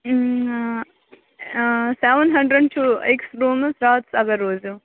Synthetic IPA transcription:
seʋənɦɐɳɖɾəɖʈʰuːḛksɾuːmɐsɾaːt̪sɐɡɐɾoːd͡ʒu

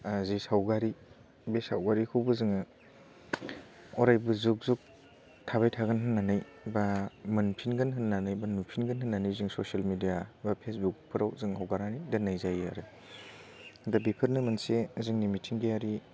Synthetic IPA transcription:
zesawɡaɾi | besa̰wɡaɾikʰɯwbɯzɯŋɯ | ɔɾajbuzuk̚zuk̚ | tʰaβajtʰaɡɯnɦɯnːanaj | bamɐnpʰinɡɐnɦɯnːanajbanupʰinɡɐnɦɯnːanajzɯŋsosalmidijabapʰesbukpʰɯɾawzɯŋɦawɡaɾanidenːajzaja̰ɾɯ | dabipʰɯɾnɯmɐnsezɯŋnimitʰiŋɡejaɾi

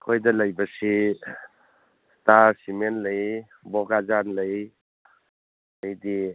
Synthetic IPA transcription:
kʰojdɐlɐjbɐsi | staɾsimenləj | bɔɡazanləj | ajdi

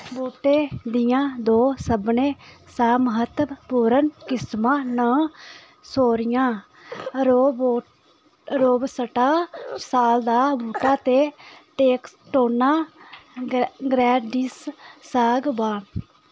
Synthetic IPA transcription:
boːʈeːd̪ɪjãːd̪oːsəbneːsaːməɦət̪ːbpuːɾənkɪsmãːnãː | soːɾɪjãː | ɾoːbo | ɾoːbsəʈaːsaːld̪aːbuːʈaːt̪eːʈeːkʈoːnaː | ɡɾɛːɖɪsːaːɡbaː

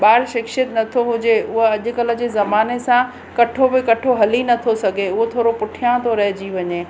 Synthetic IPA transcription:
ɓaːɾʃɪkʃɪət̪nɐt̪ʰoɦʊd͡ʑeʊɦəɐʄʊ̆kɐlə̆d͡ʑeːzɐmaːnesã | kɐʈʰobɪkɐʈʰoɦɐlinɐt̪ʰosɐɡʱeʊɦot̪ʰoːɾopʊʈʰijãt̪ʰoɾɐɦɪd͡ʑiʋɐɲeː

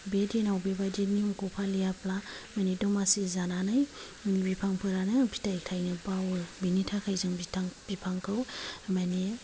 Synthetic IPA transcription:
bedenawbebadenimkɔpʰalijaplamanidɔmasizananaj | nibipʰaŋpʰɯɾanɯbʰi̥tajktʰajnɯbawɯbinitʰakʰajzɯŋbitʰaŋb̥ipʰaŋkʰawmani

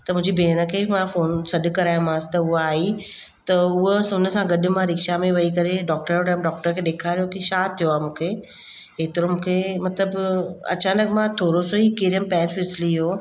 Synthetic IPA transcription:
t̪ɐmʊ̃ɦɪ̃ɲd͡ʑibʱeːnəkʰeːmãfoːnsɐɗ̆kɐɾaːjʊ̃mãːsɪ̥t̪ɐʊɦaːi | t̪ɐʊɦosʊnəsãɡɐɗɪ̆mãɾɪkʃamẽʋɐikɐɾeɖɔːk̚ʈəɾɾɛːmɖɔːk̚ʈəɾkʰeːɗeːkʰaːɾijokiʃaːt̪ʰːijoaːɦmũːkʰe | ɪt̪ɪɾomũːkʰemɐt̪ləbɐ̰t͡ɕaːnəkmãt̪ʰoːɾosoiːkeɾijəmpɛ̃ːnfɪsɪliɦoː

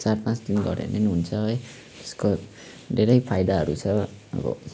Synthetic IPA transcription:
t͡sarpãt͡sd̪inɡʌɾḛnenɦunt͡sʰʌɦʌj | t̪e̥sko | ɖʱeɾʌjpʰajd̪aɦʌɾut͡sʰʌ | ʌ̰bʌ̰

